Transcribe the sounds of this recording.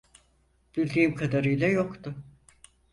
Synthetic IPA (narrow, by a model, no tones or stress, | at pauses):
b̥ilʲd̪iːmkʰad̪aɾɯjlʲˠajokt̪ʊ